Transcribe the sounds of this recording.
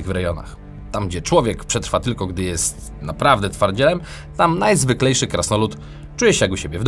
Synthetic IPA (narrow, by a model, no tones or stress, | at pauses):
ɣvɾɛjɔna̰x | t̪amɡd͡ʑɛt͡ʂwɔvʲjɛkpʂɛt̪ɾfat̪ɘlkɔɡd̪ɘjɛst̪ | napɾavd̪ɛt̪faɾd͡ʑɛlɛm | t̪amnajzvɘklɛjʂɘkɾasnɔlut̪ | t͡ʂujɛɕɛjakuɕebʲjɛvd̪